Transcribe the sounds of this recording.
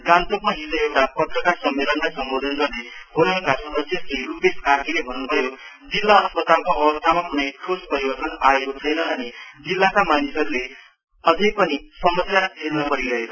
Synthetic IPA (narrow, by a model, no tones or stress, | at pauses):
ɡant̪ok̚maɦisʌewʈapʌt̪rʌkarsʌmːelʌnlajsʌmbod̪ʱʌnɡʌrneɦonʌkasʌd̪ʌsjʌskirupeskak̪ʰilebʱʌnːubʱʌjo | d͡zilːaʌspʌt̪alkoʔʌwʌst̪ʰamapunajkʰospʌɾibʌrt̪ʌnaekot͡sʰʌjnʌːnid͡zilːakamanisʌɾule | ʌd͡zʌjpʌnisʌmʌsjat̪ʰelnʌpʌɾiɾʌɦeʌ